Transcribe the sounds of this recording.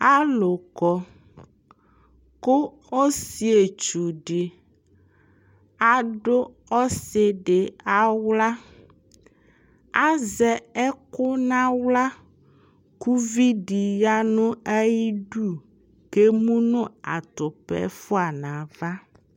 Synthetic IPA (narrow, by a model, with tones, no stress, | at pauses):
a˦lo˨kɔ˨ | ko˦ | o˦si˨e˨t͡ʃu˨ɖɪ˨ | a˨ɖʊ˦ | ɔ˦se˨ɖe˨a˨wla˦ | a˦zɛ˨ɛ˦kʊ˦nã˦wla˦ | ku˦vi˦ɖi˨ja˦nʊ̃˦a˦ji˦ɖu˦ | ke˦mũ˦nʊ̃˦a˨t̪ʊ˨pɛ̰˨fʊ˦a˨nã˨va˦